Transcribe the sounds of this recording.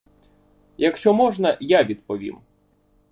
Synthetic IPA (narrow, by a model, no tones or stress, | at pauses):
jɐkʃt͡ʃɔmɔʒnɐjaʋʲid̪̚pɔʋʲḭm